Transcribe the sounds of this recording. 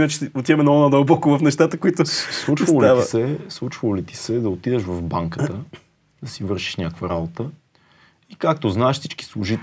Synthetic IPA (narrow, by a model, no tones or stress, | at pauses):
inat͡ʃɛ̥ot̪jɛmɛnɐɔnad̪ɐwˠbɔkʊvɐfnɛʃt̪at̪əkoit̪ʊslˠut͡ʃvəlˠliavisɛslˠut͡ʃvəlˠolit̪i̥sɛd̪ɐot̪id̪ɛʃvɐvbaŋkəə | d̪ɐsivɤɾʃi̥ʃnʲakvɐɾabot̪ə | ikak̚t̪oznaɛʃfsi̥t͡ʃki̥slˠʊʒit̪